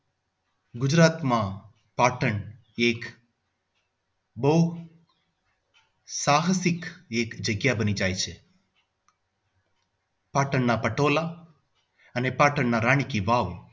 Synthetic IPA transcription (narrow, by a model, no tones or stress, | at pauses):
ɡʊd͡ʒɾat̪mã | paʈəɳ | ek | bəɦu | saɦəsɪkekd͡ʒəɡjabənid͡ʒajt͡ʃʰe | paʈəɳːapəʈola | ənepaːʈəɳnaɾaɳ̃ikiʋaʋ